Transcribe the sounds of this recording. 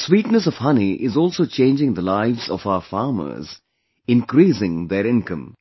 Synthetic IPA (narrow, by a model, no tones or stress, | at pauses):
swiːʈnəsɔʋ̥hʌniʔɪzɔːlˠsoːt͡ʃẽːnd͡ʒɪ̃ŋd̪əlaɪʋz̥ɔ̰vaʊəfaːɾmə̰˞z | ɪ̃nkɾiːsɪ̃ŋd̪eɾɪ̃nkə̃m